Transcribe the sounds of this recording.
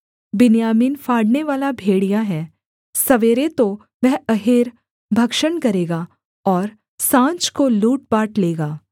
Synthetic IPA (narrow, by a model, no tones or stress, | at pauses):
bɪnjaːmiːnfaːɽneʋaːlabʱeːɽijaɦɛː | sɐʋeːɾet̪o | ʋɛɦɐɦeːɾ | bʱɐkʃənkɐɾeːɡa | ɔːɾ | sãːɲt͡ʃkoluːʈ̚baːʈleːɡaː